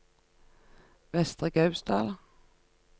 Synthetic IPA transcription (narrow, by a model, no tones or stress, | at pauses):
vɛst̪ʁəɡœʉsd̪ɑːl